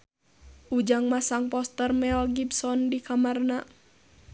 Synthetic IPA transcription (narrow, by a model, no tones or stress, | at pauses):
ʔud͡ʒaŋmasaŋpɔst̪ərmɛlɡibsɔndikamarna